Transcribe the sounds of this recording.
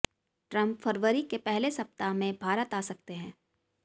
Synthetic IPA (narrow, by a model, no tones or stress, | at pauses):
ʈɾɐ̃mpfɐɾʋəɾikepɛɦlesɐp̚t̪amẽbʱaːɾət̪aːsɐk̚t̪eɦɛ̃ː